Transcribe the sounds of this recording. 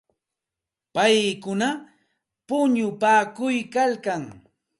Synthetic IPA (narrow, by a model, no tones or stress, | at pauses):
pajkʊna | pʊɲʊpaːkʊjkalkaŋ